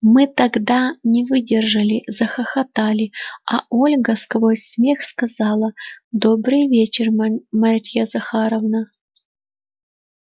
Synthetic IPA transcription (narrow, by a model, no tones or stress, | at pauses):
mɨt̪ɐɡd̪anʲɪvɨdʲɪrʐɨlʲɪzɐxəxɐt̪alʲɪɐolʲɡəskvojsʲmʲe̞xskɐzɑlˠəd̪o̞bɾɨjvʲet͡ɕɪrmarʲtʲjazɐxaɾəvnə